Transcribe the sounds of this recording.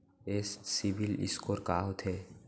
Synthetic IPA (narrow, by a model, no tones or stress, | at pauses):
essibilḭskoɾkaːɦot̪ʰe